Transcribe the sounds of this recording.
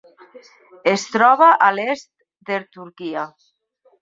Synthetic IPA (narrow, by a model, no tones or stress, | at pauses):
est̪ɾɔβaʔalest̪̚ | d̪eɾt̪uɾkia